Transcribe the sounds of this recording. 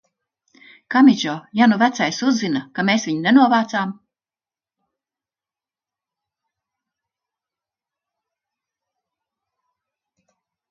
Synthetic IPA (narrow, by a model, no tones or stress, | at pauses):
kamid͡ʒɔjanuvæt̪sajsuzzinakameːsviɲinenuɔvaːt̪saːm